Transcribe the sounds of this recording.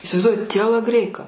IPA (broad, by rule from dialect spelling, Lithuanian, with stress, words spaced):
ɪsʲɪʋɐɪzˈduɔjɪ tʲiɛlˠɐˈɡrʲɛɪkɐ